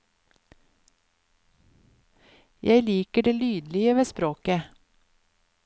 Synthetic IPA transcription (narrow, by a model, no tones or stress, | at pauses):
jʔæɪliːkəɖeːlyːd̪lɪəʋeːspɾoːkə